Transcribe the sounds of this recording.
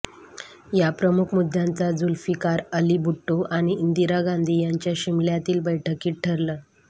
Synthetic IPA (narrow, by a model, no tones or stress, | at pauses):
japɾəmukʰmud̪ʱːjãnt͡sad͡zulfikaɾəlibuʈːoʔaɽ̃iːnd̪iɾaɡãnd̪ʱiːjaɲt͡ɕjaɕimljat̪iːlbəjʈʰəkiːʈ̚ʈʰəɾləː